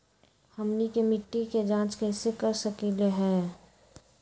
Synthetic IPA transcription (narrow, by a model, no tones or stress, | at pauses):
hɐmnikemɪʈːiked͡ʒãːt͡ʃkɛːsekɐɾsəkileɦɛ̃ː